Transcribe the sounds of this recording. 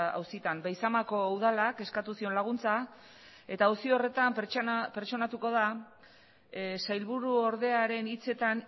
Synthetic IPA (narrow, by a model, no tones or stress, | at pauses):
a̰wsit̪anbajsamako̞uð̞alake̞skat̪usio̞nlaɣunt͡sa | e̞t̪aːwsiore̞t̪amppe̞ɾt͡ʃo̞nat̪uko̞ð̞a | sajlβuɾuo̞ɾðe̞aɾe̞nit͡se̞t̪an